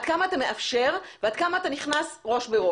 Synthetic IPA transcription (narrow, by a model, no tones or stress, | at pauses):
d̥̪̚kamaːt̪ame̞ʔafʃe̞ʁvead̪̥kamaːt̪aniχnasʁo̞ʃbeʁo